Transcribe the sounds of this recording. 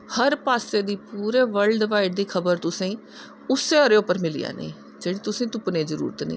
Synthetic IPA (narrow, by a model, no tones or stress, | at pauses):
həɾpaːseːd̪iːpuːɾeːʋəlɖʋaːɪɖd̪iːkʰəbəɾt̪ʊsẽː | ʊseːɔɾeːʊpːəɾmɪlḭja̰ːnḛ̃ː | d͡ʒeːɽiːt̪ʊsẽːt̪ʊpnẽːzəɾṵːɾət̪nḭ̃ː